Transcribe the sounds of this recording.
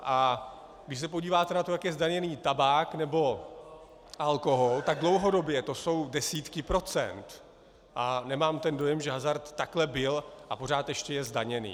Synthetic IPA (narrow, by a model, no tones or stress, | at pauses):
ʔa | ɡdɪʃs̬ɛp̬oɟiːvaːt̪ɛnat̪o̞jakjɛzdaɲɛniːt̪abaːknɛbo̞ | ʔalko̞ɦolt̪aɡ̚dlo̞wɦo̞do̞bjɛt̪o̞so̞wdɛsiːt̪kɪpɾo̞t͡sɛ̰nt̪ | ʔanɛmaːmt̪ɛndo̞jɛmʒɛɦazaɾt̪ːaklɛbɪlʔapo̞ɾaːt̪jɛʃcɛjɛzdaɲɛnḭː